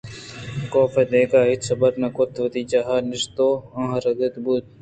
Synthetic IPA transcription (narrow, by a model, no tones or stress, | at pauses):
koːfed̪eːkaːɦɪt͡ʃsɐbəɾnɐkʊt̪ʰʋɐt̪iːt͡ʃaɦaːnɪʃt̪oːãːɦɾɐɡ̪ɪt̪but̪̚